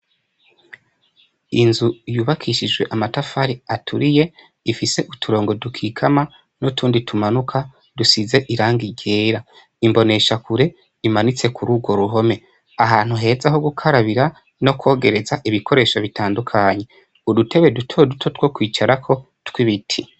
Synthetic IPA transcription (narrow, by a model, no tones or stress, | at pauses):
inzujuːβakʰiʃid͡ʒɡwe̞ʔamatafaɾiatʰuɾije̞ | ifise̞ʔutʰuɾo̞ːŋɡo̞dukʰiːkʰama | notʰuːnditʰumanukʰa | dusize̞ʔiɾaːŋɡiɟe̞ːɾa | imbo̞ne̞ʃakuɾe̞ | imanit͡se̞kuɾuːɡwo̞ɾuɦo̞me̞ | aɦaːn̥huɦe̞ːzaɦo̞ɡukʰaɾaβiɾa | no̞kwo̞ːɡe̞ɾe̞zaʔiβikʰo̞ɾe̞ːʃaβitʰaːndukʰaɲe̞ | udutʰe̞βe̞dutʰodutʰotwo̞kwiːt͡ʃaɾakʰo̞ | twiβitʰi